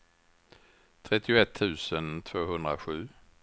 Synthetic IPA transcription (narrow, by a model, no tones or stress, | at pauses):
t̪ʰɾɛt̪ːɪʊɛt̪ʰːʉ̟ːsənt̪ʰv̥oːɦɵnd̪ɾaɧʉ̟ː